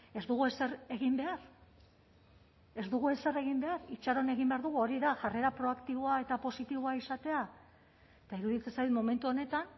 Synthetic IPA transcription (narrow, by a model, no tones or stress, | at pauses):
e̞zd̪uɣ̞ue̞se̞ɾe̞ɣimbe̞aɾ | e̞zd̪uɣue̞se̞re̞ɣimbe̞aɾit͡ʃaɾo̞ne̞ɣimbe̞aɾðuɣuo̞ɾiðaʝare̞ɾapɾo̞akt̪iβoae̞t̪apo̞sit̪iβoaisat̪e̞a | et̪aiɾuðit͡se̞nsajt̪mome̞nt̪uo̞ne̞t̪an